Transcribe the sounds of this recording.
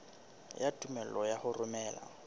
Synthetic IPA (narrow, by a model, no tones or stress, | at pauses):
jatʼumɛl̩ɔjahʊrʊmɛːla̰